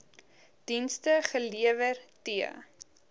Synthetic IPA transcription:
d̥instəχəliəvərtiə̰

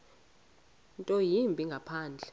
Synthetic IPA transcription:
ntʼɔjimbʱiŋɡʱapʰaːnd͡ɮʱɛ

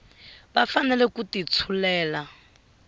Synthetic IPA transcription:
bafanɛlɛkutit͡sʰulɛːla

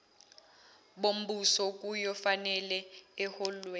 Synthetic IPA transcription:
ɓom̩busɔk̬ʼujɔfanɛlɛɛhɔlwɛ

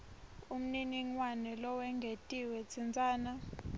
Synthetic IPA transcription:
um̩niniŋwanɛlɔwɛŋɡʱetʼiwɛt͡sʰind͡zʱʼaːna

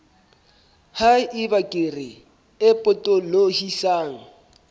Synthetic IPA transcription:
haɪbakʼerɪ | ɪpʼʊtʼolohisaːŋ̩

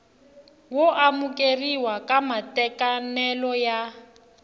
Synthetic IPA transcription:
woʔamukʼeriwakʼamatʼɛkʼanɛlɔja

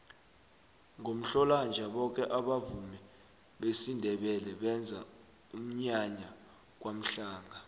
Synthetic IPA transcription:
ŋom̩ɬɔland͡ʒʱaɓɔk̬ʼɛʔaɓavumɛ | ɓesindʱɛɓɛlɛɓɛnd͡zʱa | um̩ɲaɲa | k̬wam̩ɬaːŋa

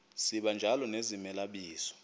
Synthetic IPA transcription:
siɓand͡ʒʱalɔnezimɛlaɓiːsɔ̥

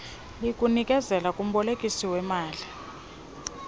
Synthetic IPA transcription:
likʼunikʼɛzɛlakʼum̩ɓɔlekʼisiwɛmaːɮi

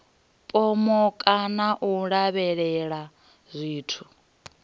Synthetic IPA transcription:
pʼɔmɔkʼanaʔuɺaβɛɺɛɺa | zʷiːtʰu

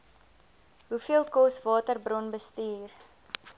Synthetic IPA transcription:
ɦufiəlˠkɔsvɑːtərbrɔnbəstyːr

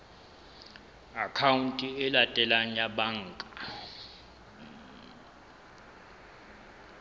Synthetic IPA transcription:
akʰawuntʼiɛlatʼɛlaɲaɓaŋkʼḁ

